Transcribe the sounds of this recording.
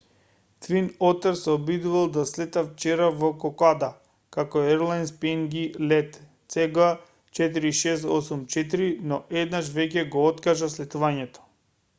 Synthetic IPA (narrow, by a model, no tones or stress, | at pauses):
t̪vinɔt̪ɛɾsɛɔbid̪uvalˠd̪aslɛt̪aft͡ʃɛɾavɔkɔkad̪a | kakɔɛɾlˠajnspɛŋɡilɛt̪ | sɛɡa | t͡ʃɛt̪̬iɾiːʃɛst̪ɔsumt͡ʃɛt̪̬iɾinɔʔɛd̪naʃvɛcʲɛɡɔɔt̪kaʒaslɛt̪uvaɲɛt̪ɔ̥